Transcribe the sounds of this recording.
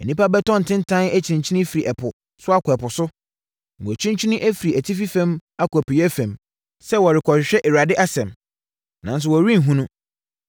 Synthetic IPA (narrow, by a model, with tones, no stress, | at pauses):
ɛ˨nĩ˦pa˦bɛ˦tʰɔ̃˦n̩˨tʰɪ̃˦n˦tʰã˦næ˦t͡ɕʰi˨ɾĩ˨t͡ɕʰi˦nɪ̃˦fi˨ɾi˨ʔɛ˨pʰʊ˨ | sʊ˦a˦kʰʊ˨ɛ˨pʊ˨sʊ˦ | ŋ̩˨wɔ˨t͡ɕʰĩ˦ɲ˦t͡ɕʰi˦nĩ˦ʔæ˦fi˨ɾi˨æ˨tʰi˦fi˦fã˦ma˦kɔ˨pi˨jɛ˦fæ̃˨m | sɛ˦wɔ˨ɾɪ˨kʰɔ˨ɕɪ˨ɕᶣɛ˦ʔe˨ɾa˨dɪ˦ʔa˦sɛ̃˨m | nã˨ns̬ʊ˨wɔ˨ɾĩ˦n˨ɦũ˦nũ˦